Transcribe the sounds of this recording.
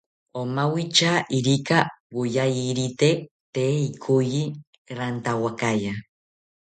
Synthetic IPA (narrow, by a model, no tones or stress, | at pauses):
omawit͡ʃaʔiɾikawujajiɾit̪e | t̪eːikʰuji | ɾant̪awakaja